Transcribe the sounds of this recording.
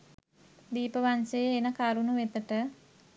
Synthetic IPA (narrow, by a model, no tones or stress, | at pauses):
d̪iːpəʋansejəːnəkaɾunuʋet̪əʈə